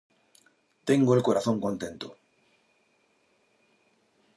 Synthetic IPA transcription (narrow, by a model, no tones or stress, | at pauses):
t̪eŋɡoelkoɾaθõŋkõnt̪ent̪o